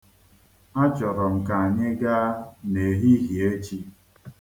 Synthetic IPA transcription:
a˦t͡ʃɔ˨ɾɔ˨m̩˨ka˨a˨ɲɪ˦ɡa˦ne˨ɦi˦ɦi˨e˦t͡ʃi˦

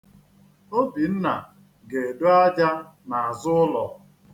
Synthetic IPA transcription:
o˦bi˨n̩˦na˨ | ɡe˨do˦a˦d͡ʒa˦ | na˨a˨zʊ˦lɔ˨

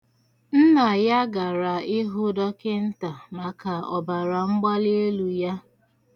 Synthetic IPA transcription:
n̩˦na˨ja˦ɡa˨ɾa˨ɪ˦ɦʊ˦dɔ˦kɪ˦n̩˦ta˨ma˨ka˨ɔ̰˨ba˨ɾa˨ŋ͡m̩˦ɡ͡ba˦le˦lu˨ja˦

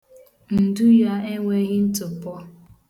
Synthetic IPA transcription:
n̩˨du˦ja˦e˦ŋʷe˦ɣɪ˦n̩˦tʊ˨pɔ˦

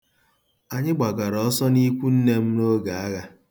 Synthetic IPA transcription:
a˨ɲɪ˦ɡ͡ba˨ɡa˨ɾɔ˨ɔ˦sɔ˦ni˦kʷu˦n̩˦ne˦m̩˦no˦ɡa˨a˦ɣa˦

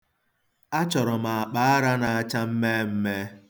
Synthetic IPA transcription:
a˦t͡ʃɔ˨ɾɔ˨ma˨a˨k͡pa˨˦a˦ɾa˦na˨a˦t͡ʃa˦m̩˦me˦m̩˦me˦

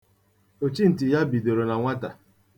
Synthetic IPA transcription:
o˨t͡ʃi˦n̩˨ti˨ja˦bi˨do˨ɾo˨na˨ŋʷa˦ta˨

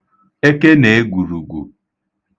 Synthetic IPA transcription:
e˦ke˦ne˨e˦ɡʷu˨ɾu˨ɡʷṵ˨

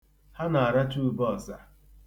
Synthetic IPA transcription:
ha˦na˨a˨ɾa˦t͡ʃu˦˨bɔ˦˨za˦

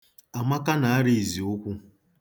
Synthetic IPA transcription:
a˨ma˦ka˦na˨a˦ɾi˦i˨zi˨ʊ˦kʷu˦

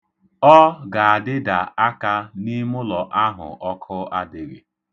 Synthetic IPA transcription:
ɔ˦ɡa˨a˨dɪ˦da˨a˦ka˦ni˦mʊ˦lɔ˨ʔa˦ɦʊ̰˨ʔɔ˦kʰʊ˦ʔa˦dɪ˨ɾɪ̰˨

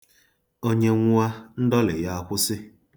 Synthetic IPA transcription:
o˦ɲe˦ŋʷʊ˦a˦n̩˦dɔ˦le˨ja˦a˨kʷʊ˦sɪ˦

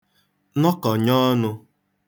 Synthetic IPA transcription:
nɔ˦kɔ˨ɲɔ˦nʊ˦

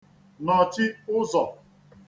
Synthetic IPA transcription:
nɔ˨t͡ʃɪ˦ʊ˦zɔ˨

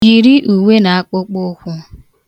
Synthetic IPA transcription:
i˨ɾi˦ʔu˨ŋʷe˦na˨a˦k͡pʊ˦k͡pʊ˦kʷʊ˦

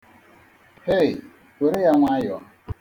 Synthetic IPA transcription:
he˦˨j | kʷe˨ɾe˦ja˦ŋʷa˦jɔ˨˦

